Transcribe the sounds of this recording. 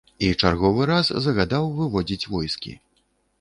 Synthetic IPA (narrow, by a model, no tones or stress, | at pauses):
it͡ʂarɣɔvɨɾazzɐɣad̪awvɨvɔd͡zʲit͡sʲvɔjskʲḭ